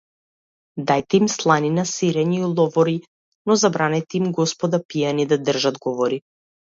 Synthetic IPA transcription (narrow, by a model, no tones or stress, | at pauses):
d̪ajt̪ɛimslˠaninasiɾɛɲiulˠɔvɔɾi | nɔzabɾanɛjt̪ɛimɡɔspɔd̪apijanid̪ad̪r̩ʒad̪ɡɔvɔɾi